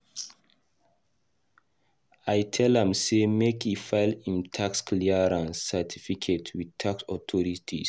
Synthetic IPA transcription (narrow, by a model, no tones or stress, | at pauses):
ajtʰɛlɛ̃msemekʰifaɪlĩmtʰakskliaɹãnsɛtʰifikʰetʰwidtʰaksɔtʰɔɹitʰis